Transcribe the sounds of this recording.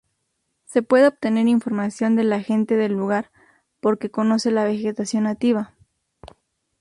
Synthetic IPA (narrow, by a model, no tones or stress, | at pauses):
se̞pwe̞ðeo̞p̚t̪e̞ne̞ɾiɱfo̞ɾmasjo̞nd̪e̞laxe̞nt̪e̞ðelːuɣaɾ | po̞ɾke̞ko̞no̞se̞laβe̞xe̞t̪asjo̞nak̚t̪iβa